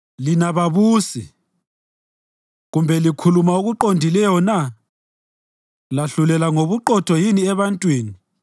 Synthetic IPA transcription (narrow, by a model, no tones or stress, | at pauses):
linaβaβuːsḭ | ɣumbʱɛlikʰulumauɣuǃondʱilɛjɔna | laɬulɛlaŋoβuǃɔtʰɔjiniɛβantʼwiːni